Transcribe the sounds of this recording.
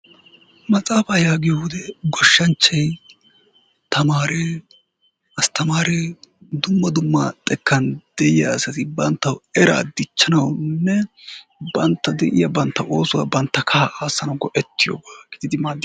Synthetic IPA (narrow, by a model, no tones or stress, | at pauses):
mɐt͡sʼaːfɐjaːɡɪjɔʊd̪ɛɡɔʃːɐnt͡ʃːɐj | t̪ɐmaːɾɛ | ɐst̪ɐmaːɾɛd̪ʊmːɐd̪ʊmːɐt̪ʼɛkːɐnd̪̥ɛjɪjɐ̰sɐt̪ɪbɐnt̪ːɐwɛɾa̰ːd̪ɪt͡ʃːɐnɐwnːɛ | bɐnt̪ːɐd̪ɛʔɪjɐbɐnt̪ːɐʔo̞ːsʊwa̰bɐnt̪ːɐkʰaʔaːsːɐnɐɡɔʔɛt̪ːɪjo̰bɐɡɪd̪ɪd̪ɪmaːd̪ː